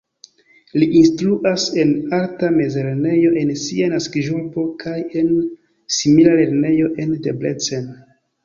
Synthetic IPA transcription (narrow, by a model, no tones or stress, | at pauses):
liʔinstluʔase̞naltame̞zeɾne̞jo̞ʔe̞nsianaskiʒupo̞kʰaje̞n | similale̞ɾne̞jo̞ʔe̞ndeblet͡sen